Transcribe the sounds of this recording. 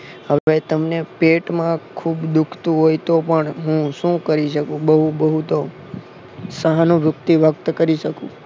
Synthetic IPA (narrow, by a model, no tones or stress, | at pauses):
ɦəʋʋet̪əmnepeʈmãkʰubd̪ukʰt̪ũɦojt̪opəɳɦũʃũkəɾiʃəkũbəɦũbəɦut̪o | səɦanũʋjʊkt̪iʋək̚t̪kəɾiʃəkṵ̃